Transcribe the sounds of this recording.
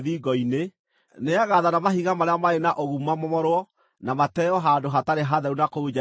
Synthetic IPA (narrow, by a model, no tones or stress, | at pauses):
ðiɡɔine | neaɣaðanamaɦiɣamaɾeamaenaʔoɣumamɔmɔɾwɔ | namatɛɔɦandoɦataɾeɦaðɛɾunakoud͡ʒa